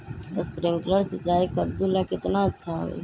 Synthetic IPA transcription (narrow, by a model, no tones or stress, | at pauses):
əspɾiŋkləɾsit͡ʃaikəb̚d̪ulakɪt̪naətːʃʰa̰